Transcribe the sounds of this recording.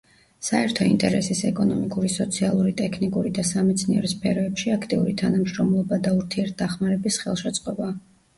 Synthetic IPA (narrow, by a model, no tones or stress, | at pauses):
saɛɾt̪ʰɔḭnt̪ʼɛɾɛsisɛkʼɔnɔmikʼuɾisɔt̪sʰialˠuɾit̪ʼɛkʰnikʼuɾid̪asamɛt̪sʰniɛ̰ɾɔspʰɛɾɔɛpʃiakʰt̪ʼiṵɾit̪ʰanamʃɾɔmlˠɔbad̪auɾt̪ʰiɛɾt̪̚ʰd̪̥aχmaɾɛbisχɛ̰lˠʃɛt̪sʼqʼɔba